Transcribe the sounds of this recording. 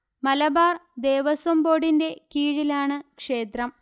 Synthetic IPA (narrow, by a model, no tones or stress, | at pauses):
mɐlɐbaːrd̪e̞ːʋɐsombo̞ːɽinde̞kiːɻilaːɳɨkʂe̞ːt̪rɐm